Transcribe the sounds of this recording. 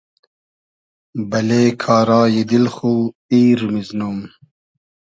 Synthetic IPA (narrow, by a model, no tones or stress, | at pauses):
bɐleːkʰaːɾaːjid̪ilxuː | iːɾmiznuːm